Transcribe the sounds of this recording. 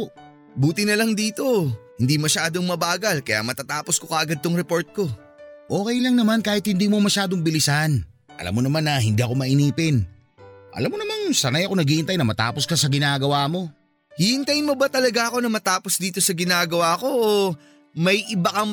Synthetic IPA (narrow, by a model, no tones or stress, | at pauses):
buːt̪ɪnɐlɐŋd̪iːt̪o̞hɪnd̪imɐʃaːd̪o̞ŋmɐbaːɡɐlkɐja̰mɐt̪at̪aːposko̞kɐʔɐɡad̪̚t̪oŋɾɛpo̞ɹt̪̚ko̞ | ʔo̞ːkɛjlɐŋnɐmankaːhɪt̪hɪnd̪iːmomɐʃaːd̪oŋbɪlɪsɐn | ʔɐ̰la̰mːonɐmanːɐɦɪnd̪iːʔɐko̞mɐʔɪniːpɪn | ʔɐ̰lamːonɐmaŋsɐnajɐko̞nɐɡiːhɪnt̪ajnɐmɐt̪a̰ːpo̞skɐsɐɡɪnaːɡɐwaːmo̞ | hihɪnt̪ɐjnmo̞bɐt̪ɐlɐɡaʔɐko̞nɐmɐt̪aːpo̞sd̪iːt̪o̞sɐɡɪnaːɡɐwaɐko̞o | mɐjʔɪbɐkɐ